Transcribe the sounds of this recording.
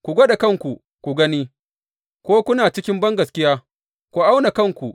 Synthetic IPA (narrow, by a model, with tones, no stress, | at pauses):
kʷu˨ɡʷo˦ɗa˨kɐ˦˨ŋkʷu˨ | kʷu˨ɡɐ˦niː˦ | kʷoː˦kʷʊ˦naː˨t͡ʃɪ˦kʲɪ˦mbɐ˦ŋɡɐ˨skʲɪ˦jaː˦ | kʷu˨ʔa˦wna˨kɐ˦˨ŋkʷu˨ʔ